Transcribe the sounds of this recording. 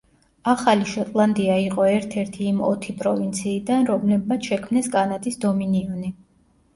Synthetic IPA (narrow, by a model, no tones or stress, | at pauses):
aχaliʃɔt̪ʼlˠand̪iaiqʼɔɛɾt̪ʰɛɾt̪ʰiːmɔ̰t̪ʰipʼɾɔvint̪sʰiːd̪anɾɔmlɛb̚mat̪sʰʃɛkʰmnɛskʼanat̪ʼisd̪ɔminiɔni